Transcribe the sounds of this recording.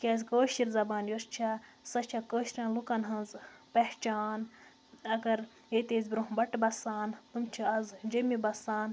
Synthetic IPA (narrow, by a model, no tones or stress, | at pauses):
kʲazʲkoːʃiɾzɐbaːnjost͡ʃʰasɐt͡ʃʰakəːʃɾʲãːnlukɐnɦɐ̃nzpɐht͡ʃaːn | ɐɡɐɾ | et̪eːzʲbɾoɦbɐʈbɐsaːnt̪umt͡ʃʰiɐzd͡ʒɐmibɐsaːn